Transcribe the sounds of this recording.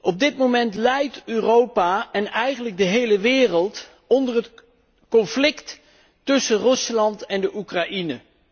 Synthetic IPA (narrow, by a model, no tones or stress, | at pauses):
ʔɔb̚dɪtmomɛntlɛjtøːrowpaːɛnɛjχənləɡ̚dəɦejləʋɪːrəlˠt | ɔndərət | kɔnflɪkt | tːɵsərɵslɑntɛndəʔukraʔinə